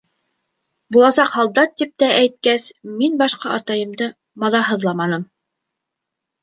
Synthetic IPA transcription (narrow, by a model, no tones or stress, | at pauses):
bulˠɑsɑqhɑlˠd̪ɑt̪ːip̚t̪æʔæjt̪̚kæsminbɑʃqɑɑt̪ɑjɤ̆md̪ɤ | mɑðɑɦɤ̆ðlˠɑmɑnɤm